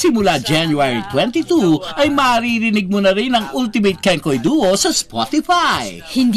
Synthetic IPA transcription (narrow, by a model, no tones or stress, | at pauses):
sɪmʊlad͡ʒanjuaɹḭt̪wɛnt̪it̪uʔɐjmɐːɾiːɾɪnɪɡ̚mʊnɐɾɪnɐŋʔult̪ɪmejt̪̚kɛŋkojd̪uːʔosɐspɔ̰t̪ɪfajhɪnd̪